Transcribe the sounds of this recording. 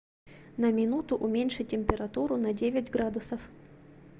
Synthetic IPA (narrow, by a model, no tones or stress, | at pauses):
nɐmʲɪnut̪ʊʔʊmʲenʲʂɨt̚ʲːɪmʲpʲɪɾɐt̪uɾʊnɐdʲevʲɪtʲɡɾad̪ʊsəf